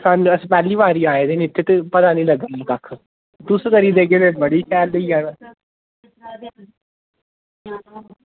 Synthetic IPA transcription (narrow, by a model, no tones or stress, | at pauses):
sanəsiːpɛːliːʋaːɾiːaːeːd̪eːnːɪt̪ʰːeːt̪epət̪aːnĩːləɡaːniːk̪akʰː | d̪ʊskəɾiːd̪eːkeːt̪ebəɽiːsʰɛːld̪əiãːna